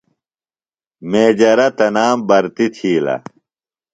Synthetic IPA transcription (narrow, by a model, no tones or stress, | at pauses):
meːd͡ʑɐɾɐt̪ɐnaːmbɐɾt̪it̪ʰiːlɐ̰